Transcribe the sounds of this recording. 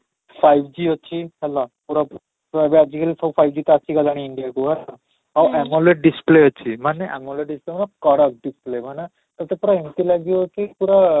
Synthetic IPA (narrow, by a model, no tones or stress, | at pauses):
pʰajbd͡ʒiɦɔt͡ʃʰihɛlapuɾa | bead͡ʒikalipʰɔpʰajbd͡ʒit̪aasʰiɡalaɽ̃iiɳɖijakuɦɛla | awɛmɔleɖispleɔt͡ʃʰimaneʔɛmɔleɖisplemanakɔɽak̚ɖisplemana | t̪ɔt̪epɔɾaemt̪ilaɡiɔkipuɾa